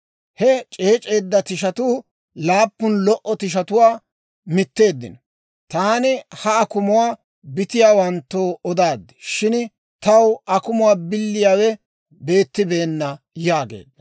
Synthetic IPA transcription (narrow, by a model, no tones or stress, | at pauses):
hɛt͡ʃʼeːt͡ʃʼe̞ːd̪ːɐt̪ɪʃɐt̪uː | laːpːʊnlɔʔɔt̪ɪʃ̬ɐt̪ʊwaː | mɪt̪ːe̞ːd̪ːɪ̰nɔ | t̪aːnɪhɐɐkʊmʊwaː | bɪt̪ɪjaːwɐnt̪ːoːɔd̪aːd̪ːɪ̥ʃɪn | t̪ɐwɐkʊmʊwaːbɪlːɪjaːwɛ | be̞ːt̪ːɪbe̞ːnːɐ | jaːɡḛːd̪ːɐ